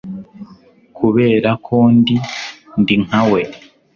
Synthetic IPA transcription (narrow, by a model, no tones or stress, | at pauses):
kʰuβe̞ːɾakʰoːndindiŋawe̞